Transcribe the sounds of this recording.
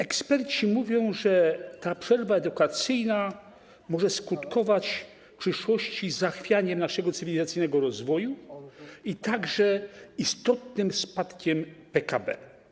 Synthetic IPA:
ɛkspɛɾt͡ɕimuvʲjɔ̃w̃ʐɛt̪apʂɛɾvaɛd̪ukat̪sɘjna | mɔʐɛskut̪kɔvat͡ɕ | fpʂɘʂwɔɕt͡ɕizaxfʲjaɲɛmnaʂɛɡɔt̪sɨvʲilʲizat̪sɘjnɛɡɔɾɔzvɔju | it̪aɡʐɛist̪ɔt̪nɘmspat̪kʲɛmpɛkabɛ̰

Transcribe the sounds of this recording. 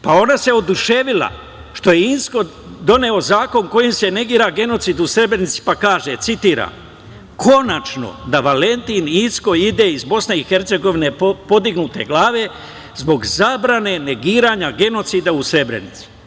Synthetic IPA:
pao̞nase̞o̞d̪uʃe̞ʋila̰ | ʃt̪o̞je̞insko̞ | d̪o̞ne̞o̞zaːko̞ŋko̞jimse̞ne̞ɡiːɾaɡe̞no̞t̪siːd̪usɾe̞bɾenit̪si̥pakaːʒet̪sit̪iːɾa̰m | kʰo̞nat͡ʃno̰d̪aʋale̞nt̪iːninsko̞id̪e̞izbo̞sneixe̞ɾt̪se̞ɡo̞ʋine̞po̞d̪iɡnut̪e̞̰ɡlaːʋe̞ | zbo̞ɡzabɾane̞ne̞ɡiːɾaɲaɡe̞no̞t̪siːd̪ausɾe̞bɾḛnit̪si̥

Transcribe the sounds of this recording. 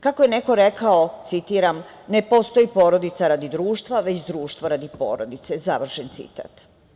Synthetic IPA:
kakojene̞ko̞ɾe̞kaot̪sit̪iːɾam | nepo̞st̪ojipo̞ːɾo̞d̪it̪saɾad̪id̪ɾuːʃt̪ʋaʋe̞t͡ɕd̪ɾuːʃt̪ʋoɾad̪ipo̞̰ːɾod̪it̪sezaʋr̩ʃent̪sḭt̪a̰ːt̪

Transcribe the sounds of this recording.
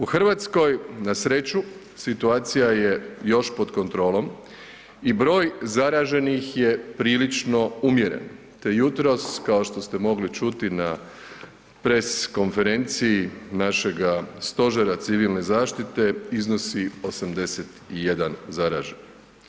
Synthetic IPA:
uxr̩ʋat̪sko̞jnasɾe̞t͡ɕu | sit̪uaːt̪sijaje̞jo̞ʃpo̞d̪ko̞nt̪ɾo̞ːlˠo̞m | ibɾo̞ːjzaɾaːʒe̞nixje̞pɾiːlit͡ʃno̞umjeɾḛn | t̪e̞jut̪ɾo̞skaoʃt̪o̞st̪e̞mo̞ɡlit͡ʃut̪ina | pɾesko̞nfe̞ɾe̞nt̪sijːnaʃe̞ɡast̪o̞ʒeɾat̪siʋilˠne̞zaːʃt̪it̪e̞izno̞sio̞samd̪e̞set̪ijed̪anzaɾa̰ʒeni

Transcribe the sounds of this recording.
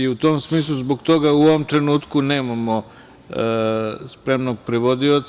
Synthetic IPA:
iut̪o̞ːmsmiːs̬lˠuzboɡt̪o̞ɡauoʋomt̪ɾenuːt̪kune̞ːmamo | spɾe̞mnoɡ̚pɾeʋod̪iot̪

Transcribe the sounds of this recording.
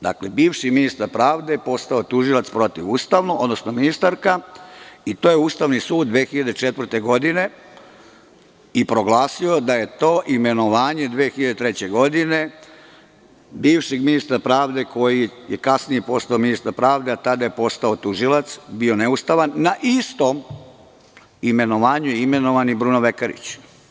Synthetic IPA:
d̪a̰klebiːʋʃiminist̪aɾpɾaːʋd̪e̞po̞st̪aot̪uʒilat̪spɾo̞t̪iʋuːst̪aʋnoo̞d̪nosnominist̪aɾka | it̪oːjeuːst̪aʋnisuːd̪d̪ʋeːxiʎad̪et͡ʃet̪ʋr̩t̪e̞ɡo̞d̪ine̞ | ipɾo̞ɡlˠaːsio̞d̪aje̞t̪oːʔime̞noʋaːɲe̞d̪ʋeːxiʎad̪et̪ɾet͡ɕe̞ɡo̞d̪ine̞ | biːʋʃeɡminist̪ɾapɾaːʋd̪e̞ko̞jijekasnijipo̞st̪aominist̪aɾpɾaːʋd̪eat̪ad̪aje̞po̞st̪aot̪uʒilat̪sbio̞ne̞ust̪aʋanːaʔist̪o̞m | ime̞noʋaːɲujime̞no̞ʋanibɾunoʋekaɾḭt͡ɕ

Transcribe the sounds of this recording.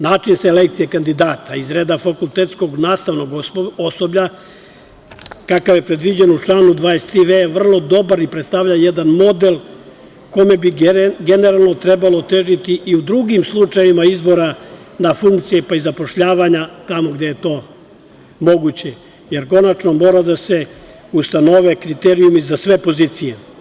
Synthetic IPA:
naːt͡ʂinseelekt̪sijekand̪id̪aːt̪ʰaizɾeːd̪afakulˠt̪et̪sko̞ɡnaːst̪aʋno̞ɡosobʎa | kakaʋje̞pɾed̪ʋid͡ʑenut͡ʂlˠaːnud̪ʋaːest̪ɾiʋejeʋr̩lˠo̞d̪o̞baɾipɾet̪st̪aʋʎajed̪anmo̞d̪elˠ | ko̞me̞biɡe̞ne̞ɾalˠno̞t̪ɾebalo̞t̪eʒit̪iʔiud̪ɾuɡimslˠut͡ʂajʋimaizbo̞ɾa | nafuŋk̚t̪sijepaizapo̞ʃʎaːʋaɲat̪amoɡd̪ejet̪o̞ː | mo̞ɡut͡ɕe̞ | je̞ɾko̞nat͡ʃnomo̞ːɾad̪ase̞ | ust̪ano̞ʋekɾit̪eɾiumizasʋe̞po̞ziːt̪sije

